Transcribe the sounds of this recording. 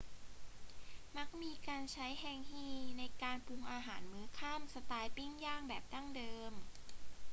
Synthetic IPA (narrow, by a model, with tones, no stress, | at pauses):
ma˦˥k̚miː˧kaː˧nt͡ɕʰa˦˥jhɛː˧ŋhiː˧˥˩na˧jkaː˧npʰu˧ŋʔaː˧ɦaː˩˦nmɯː˨˦˥kʰa˥˩msa˧t̪aː˧jpi˥˩ŋjaː˥˩ŋbɛː˨˩p̚da˥˩ŋdɤː˧m